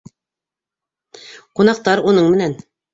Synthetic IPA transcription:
qunɑq̚t̪ɑɾunɤɴmɘ̆næn

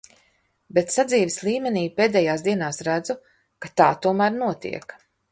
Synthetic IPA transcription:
bɛt̪sad̪ziːvislˠiːmeniːpeːd̪ɛːjaːsd̪iɛnaːsɾæd̪zu | kat̪aːt̪uɔmæːɾnuɔt̪ḭɛk

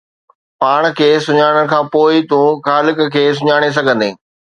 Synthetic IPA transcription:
paːɽ̃kʰeːsʊɲaːɽ̃əɽ̆kʰãːpoːɪt̪ũːxaːlɪkkʰeːs̬ʊɲaːɽ̃es̬ɐɡʱə̃nd̪ẽː

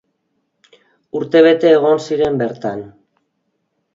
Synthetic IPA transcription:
uɾt̪e̞β̞e̞t̪e̞ːɣ̞o̞nsiɾe̞mbe̞ɾt̪an

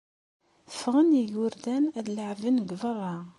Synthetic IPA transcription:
θə̥fʁəniʝʊɾd̪ænæðləʕvənɡvərˤːɑ

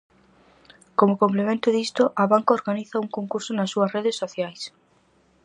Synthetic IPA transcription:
komʊkomplemẽnt̪ʊðist̪ʊʔɐβaŋkaoɾɣaniθɐuŋkoŋkuɾsʊnɐsːuɐsreðesːoθjajs

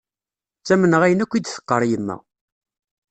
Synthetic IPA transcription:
t͡sːæmənəʁæjənækʷːid̪θə̥qːəɾˤjəmːæ̰

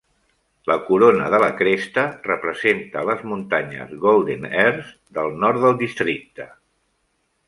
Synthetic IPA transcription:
ləkuɾonəðələkɾest̪ərəpɾəzent̪ələzmunt̪aɲə̰zɣolˠd̪enɛɾz | d̪əlˠnɔɾt̪d̪əlˠd̪ist̪ɾik̚t̪ə

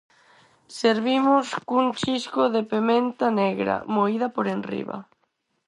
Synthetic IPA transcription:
seɾβimoskunt͡ʃiskoðepemẽnt̪aneɣɾa̰moið̞apoɾenrḭβa̰

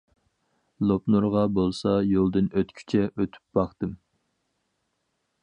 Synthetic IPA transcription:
lˠopnuɾʁɑbolˠsɑjolˠd̪ɨnøt̪kʲʰy̥t͡ʃʰɛʔøt̪ʰy̥p̚bɑχt̪ɨm

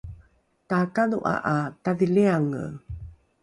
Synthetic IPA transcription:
takanuʔa̰ʔataðileaŋə̰

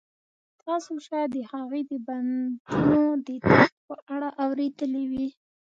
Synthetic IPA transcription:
t̪ʰɑsoʃɑjd̪əhaɣed̪əband̪unod̪ət̪axpəʔaɽaʔawɾed̪əlewi

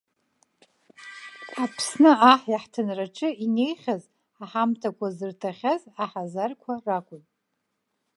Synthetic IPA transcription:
ħapʰsnɨaħjaħtʰɨnraʈ͡ʂʰʼɨine̞jχʲaz | aħamtʰakʷʰazɨrtʰaχʲazaħazarkʷʰarakʷʼʊ

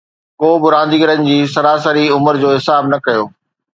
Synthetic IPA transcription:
koːbɪɾãːnd̪iːɡəɾənɪ̆d͡ʑiːsɐɾaːsəɾiʊməɾd͡ʑoːɦɪsaːbnɐkɐjoː

